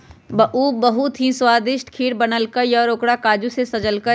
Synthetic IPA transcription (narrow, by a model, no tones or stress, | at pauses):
bɐʔuːbɐɦut̪ɦĩswaːd̪ɪʃʈkʰiːɽbɐnəlkəjɔːɾoːkɽakaːd͡ʒusesɐd͡ʒəlkə